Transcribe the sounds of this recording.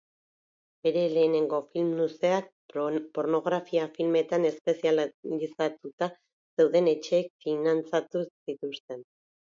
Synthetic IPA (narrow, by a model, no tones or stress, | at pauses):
be̞ɾe̞le̞ːne̞ŋɡo̞filmnuse̞ak̚ | po̞ɾno̞ɣɾafiafilme̞t̪ane̞spe̞siallisat̪ut̪a | se̞wðe̞ne̞t͡ʃe̞ːk̚finant͡sat̪usit̪ust̪e̞n